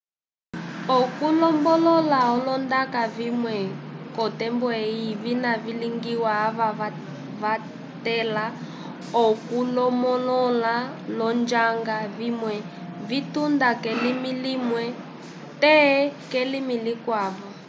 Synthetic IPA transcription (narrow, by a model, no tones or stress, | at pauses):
ɔkulɔmbɔlɔlaɦɔlɔndakavimwɛkɔtɛmbɔeiβinaviliŋɡiwaːβaa | βa | tɛla | ɔkulɔmɔlɔla | lɔnd͡ʒaŋɡaβimwɛ | vitundakɛlimilimwɛ | tɛkɛlimilikwaːβɔ